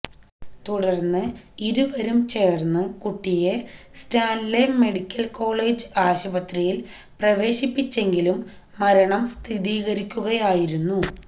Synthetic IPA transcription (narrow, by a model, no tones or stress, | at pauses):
t̪uɽɐrnːɨiɾuʋɐɾumt͡ɕe̞ːrnːɨkuʈːijestaːnleme̞ɽikʲːɐlko̞ːɭe̞ːd͡ʑɨaːɕubɐt̪rijil | prɐʋe̞ːɕipːit͡ɕːe̞ŋɡilumː | ɐɾɐɳɐmst̪ʰiðiːɣɐɾikʲːuɣɐjaːjiɾunːu